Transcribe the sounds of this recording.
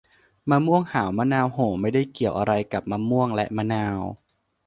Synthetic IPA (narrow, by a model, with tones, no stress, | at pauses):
maː˧mu˥˩əŋha̰ː˩˦wmaː˧˥naː˧wɦoː˨˩˦ma˥˩jda˥˩jki˨˩əwʔa˧ɾa˧jka˨˩p̚maː˧mu˥˩əŋlɛ˦˥ʔmaː˧˥naː˧w